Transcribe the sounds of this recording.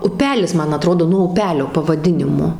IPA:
ʊˈpʲæːlʲɪs ˈmɐn ɐˈtroːdoː nuɔ ʊˈpʲæːlʲoː pɐʋɐˈdʲɪnʲɪmoː

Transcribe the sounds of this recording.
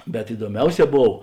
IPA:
bʲɛt ɪduɔˈmʲɛʊˌsʲɛː ˈboːw

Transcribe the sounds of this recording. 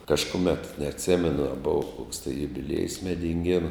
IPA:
kɐʃkʊˈmʲɛt nʲɛɐtʲˈsʲæːmʲɛnʊ ɐ ˈbʊʋɐ koːks tɐɪ jʊbʲɪˈlʲiɛjʊs mʲɛdʲɪŋʲˈɡʲeːnʊ

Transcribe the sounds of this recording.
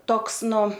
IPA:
ˈtoːks ˈnʊ

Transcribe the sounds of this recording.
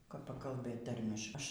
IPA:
kɐp pɐkɐlˠˈbɘt ˈtɐrʲmʲɪʃ ˈɐʃ

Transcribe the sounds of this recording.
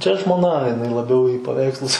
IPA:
t͡ʃʲɛ ʒmoːˈnɐ jɪˈnɐɪ lˠɐˈbʲɛʊ iː pɐˈʋʲɛɪkslˠʊs

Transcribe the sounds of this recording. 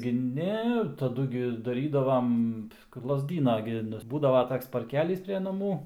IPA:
ɡʲɪ ˈnʲɛ tɐˈdʊ ɡʲɪ dɐˈrʲiːdɐʋɐm lˠɐzʲˈdʲiːnɐ ɡʲɪ ˈnʊ ˈbuːdɐʋoː ˈtoːks pɐrʲˈkʲæːlʲiːs pʲrʲɛ nɐˈmuː

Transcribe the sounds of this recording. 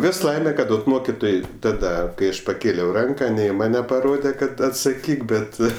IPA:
ˈʋʲɪs ˈlˠɐɪmʲɛ ˈkɐt oːt ˈmoːkʲɪtoːj ˈtɑːdɐ kɐɪ ˈɐʃ pɐˈkʲeːlʲɛʊ ˈrɐŋkɐ nʲɛ ɪ ˈmɑːnʲɛ pɐˈroːdʲɛ ˈkɐt ɐtsɐˈkʲiːk ˈbʲɛt

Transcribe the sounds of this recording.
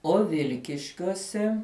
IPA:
oː ˈʋʲɪlʲkʲɪʃʲkʲuɔsʲɛ

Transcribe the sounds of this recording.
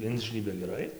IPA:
ˈɪnʲʒʲnʲiːbʲɛ ɡʲɛˈrɐɪ

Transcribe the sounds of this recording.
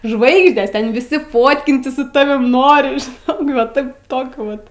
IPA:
ˈʒʋɐɪɡʒʲdʲeːs ˈtʲɛn ʋʲɪˈsʲɪ ˈfoːtʲkʲɪnʲtʲɪs sʊ ˈtɑːʋʲɪm ˈnoːrʲɪ ʒʲɪˈnoːk ʋɐ ˈtɐɪp ˈtoːkʲʊ ʋɐt

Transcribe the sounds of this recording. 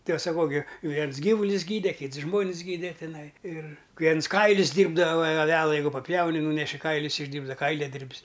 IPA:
tʲɪ ɐʃ sɐˈkɐʊ ɡʲɪ ˈʋʲiɛns ˈɡʲiːʋʊlʲʊs ˈɡʲiːdʲɛ ˈkʲiːts ˈʒmoːnʲɪs ˈɡʲiːdʲɛ tʲɪˈnɐɪ ɪr ˈʋʲiɛns ˈkɐɪlʲʊs ˈdʲiːrbdɐʋɐ ɐˈʋʲæːlˠɐ ˈjɛɪɡʊ pɐˈpʲjɛʊnʲɪ ˈnuːnʲɛʃʲɪ ˈkɐɪlʲʊs ɪʒʲˈdʲiːrbdɐ ˈkɐɪlʲɛdʲɪrʲpʲs

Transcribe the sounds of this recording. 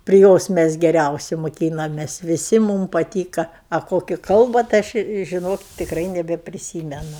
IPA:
pʲrʲɪ ˈjoːs mʲɛs ɡʲɛˈrʲɛʊsʲɪ moːˈkʲiːnɐmʲeːs ʋʲɪˈsʲɪ ˈmuːm pɐˈtʲiːkɐ ɐ ˈkoːkʲɪ ˈkɐlˠbɐ tɐɪ ˈɐʃ ɪ ʒʲɪˈnoːk tʲɪkˈrɐɪ nʲɛbʲɛpʲrʲɪˈsʲiːmʲɛnʊ

